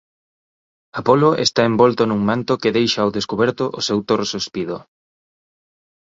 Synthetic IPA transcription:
apoloʔḛst̪aembɔlt̪ʊnuŋmãnt̪ʊkɪðejʃawðeskuβ̞ɛɾt̪ʊʔʊsewt̪oɾsuspiðʊ̰

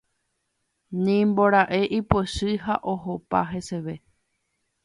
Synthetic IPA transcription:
nĩmbo̞ɾaʔe̞ʔipweʃɨɦaʔo̞ɦopa̰ɦe̞se̞ʋe̞

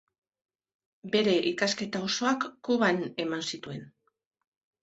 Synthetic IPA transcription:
be̞ɾe̞ʔikaske̞t̪aoso̞akːuβane̞mansit̪ue̞n

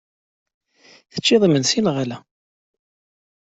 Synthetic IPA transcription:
θə̥t͡ʃːɪðˤəmənsinʁalæ

